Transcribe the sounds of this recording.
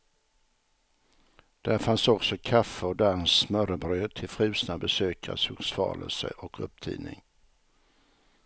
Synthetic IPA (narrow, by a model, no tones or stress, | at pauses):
d̪̥æɾfansɔksɔkʰafəɔd̪aɾɛnnsmœɾəbɾøːt̪ʰɪlfɾʉ̟ːsnabɛsøːkʰa̰suksfɑ̰ːlə̰lsə̰ʔɔkʰɵ̰p̚t̪ʰḭːnɪ̰ŋ